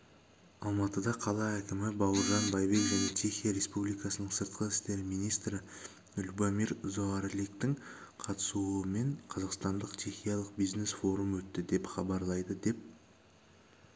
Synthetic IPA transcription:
ɑlˠmɑt̪əd̪ɑqʰɑlˠɑækʲɪmɪbɑwəɾʒɑnbɑjvekʒæne̞t͡ʃʰe̞χijaɾe̞spublijkɑsənəɴsəɾt̪̚qəɪst̪e̞ɾmijnijst̪ɾɪ | ʊlʲbomiɾzoɑɾlikt̪ɪŋ | qʰɑt̪ə̥suəme̞ɴqʰɑzɑqst̪ɑnd̪əqt͡ʃʰe̞χʲijɑlˠəqbijzne̞sfo̞ɾumwɵt̪ːɪd̪e̞pχɑbɑɾlˠɑjd̪əd̪e̞p̚

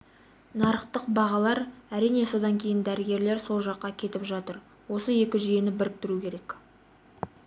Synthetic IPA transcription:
nɑɾəqt̪əqbɑʁɑlˠɑɾæɾijne̞so̞d̪ɑŋkʲʰe̞jɪnd̪æɾɪɡʲe̞ɾle̞ɾso̞lˠʒɑqːɑkʲʰe̞t̪ɪpʒɑt̪əɾ | wo̞səe̞kʲɪʒije̞nɪbɪɾɪk̚t̪ɪɾukʲʰe̞ɾek

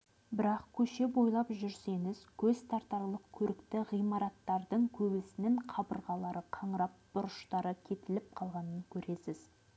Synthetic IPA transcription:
bɪɾɑqkʲʰɵʃe̞bo̞jlˠɑpʒʏɾse̞ŋɪz̥kʲʰɵzst̪ɑɾt̪ɑɾlˠəq̚kʲʰɵɾɪkt̪ɪʁijmɑɾɑt̪ːɑɾd̪əɴkʲʰɵbɪsɪnɪɴqʰɑbəɾʁɑlˠɑɾəqʰɑɴɾɑp̚b̥ʊɾʊʃt̪ɑɾəkʲʰe̞t̪ɪlɪp̚qʰɑlˠʁɑnəŋkʲʰɵɾe̞sɪz̥

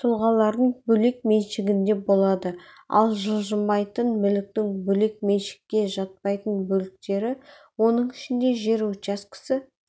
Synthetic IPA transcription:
t̪ʰʊlˠʁɑlˠɑɾd̪əɴbɵle̞k̚me̞nʃɪɡʲɪnd̪e̞bo̞lˠɑd̪ə | ɑ̰lˠʒəlˠʒəmːɑjt̪ənmʏlɪk̚t̪ɪŋbɵle̞k̚me̞nʃɪ̥kʲːe̞ʒɑt̪̚pɑjt̪ənbɵlɪk̚t̪e̞ɾɪ | wo̞nəɴɪʃɪnd̪e̞ʒe̞ɾot͡ʃɑskʲʰɪ̥sɪ

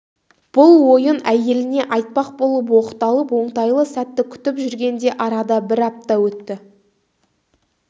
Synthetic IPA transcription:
b̥ʊlˠwo̞jənæje̞lɪne̞ʔɑjt̪̚pɑq̚bo̞lˠəp̬wo̞qə̥t̪ɑlˠəpwo̞ɴt̪ɑjlˠəsæt̪ːɪkʲʰʏ̥t̪ɪpʒʏɾɡʲe̞nd̪e̞ʔɑɾɑd̪ɑbɪɾɑp̚t̪ɑwɵt̪ːɪ

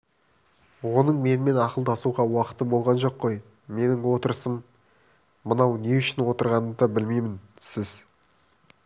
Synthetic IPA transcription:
wo̞nəɴme̞nɪme̞nɑqəlˠd̪ɑsuʁɑwɑqə̥t̪ːəbo̞lˠʁɑnʒo̞qːo̞j | me̞nɪŋwo̞t̪əɾəsəmː | ənɑwne̞ʏʃɪnwo̞t̪əɾʁɑnəd̪ɑbɪlmejmɪnsɪz

